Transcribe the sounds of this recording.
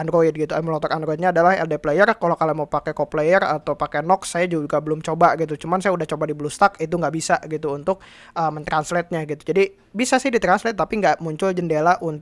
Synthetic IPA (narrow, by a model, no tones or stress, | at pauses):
andɾoit̪̚ɡit̪uaməlɔt̪ɔɾandɾoit̪̚ɲaːdalahɛ̰ldeplejərkalokalamapakɛkɔplejərat̪awpakɛnɔksajad͡ʒuɡabəlʊmt͡ʃobaɡit̪̬ut͡ʃumansajaudaht͡ʃobadiblust̪akit̪̬uŋɡaʔbisaʔɡit̪uːnt̪ʊk̚ | əmənt̪ɾanslɛt̪̚ɲaɡit̪u̥d͡ʒadi | bisasɪhdit̪ɾanslɛt̪ːapiŋɡaʔmuɲt͡ʃʊld͡ʒəndelaʔunt̪